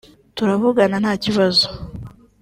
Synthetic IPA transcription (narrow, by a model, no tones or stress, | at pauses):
tuɾaβuɡananhaːciβazo̥